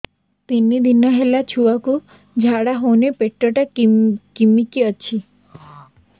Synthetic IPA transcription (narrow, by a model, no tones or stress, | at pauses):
t̪inːid̪inɔɦelat͡ʃʰuaku | d͡ʒʱaɽaɦonepeʈːɔʈakkimikiət͡ʃʰi